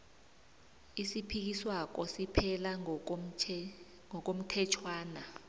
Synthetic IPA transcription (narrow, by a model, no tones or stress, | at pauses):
isipʰik̬iswak̬ɔsipʰɛla | ŋɔk̬om̩tʰɛt͡ʃʰwaːna